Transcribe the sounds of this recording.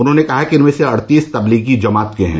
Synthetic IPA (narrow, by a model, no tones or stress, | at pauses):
ʊnɦõːnekɐɦakiɪnmẽːseɐɽt̪iːst̪ɐbliːɡid͡ʒɐmaːt̪keɦɛ̰̃ː